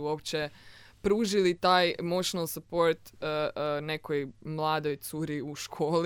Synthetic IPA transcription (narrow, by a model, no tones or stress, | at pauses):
uopt͡ɕepɾuːʒilit̪aːjmoʃnalˠsupo̞ɾt̪əne̞kojmlˠaːd̪o̞jt̪suːɾiuʃkʰoːl